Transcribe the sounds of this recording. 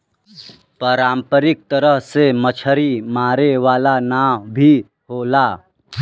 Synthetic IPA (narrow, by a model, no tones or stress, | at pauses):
pəːɾãːmpəɾɪk̚t̪əɾəɦsemət͡ʃʰəɾimaːɾeʋaːlanaːbʱi | ɦoːlaː